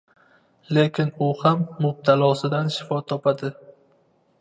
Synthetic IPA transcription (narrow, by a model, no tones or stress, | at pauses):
le̞kʲɪnʊhamːʊb̚t̪ʰalˠɒsɪd̪anʃɪ̥fɒt̪ʰɒpad̪ɪ